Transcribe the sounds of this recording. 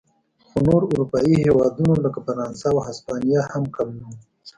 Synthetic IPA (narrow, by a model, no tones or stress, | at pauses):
xonoɾʊɾupɑihewɑd̪unoləkafaɾɑnsawhaspɑnijahamkamu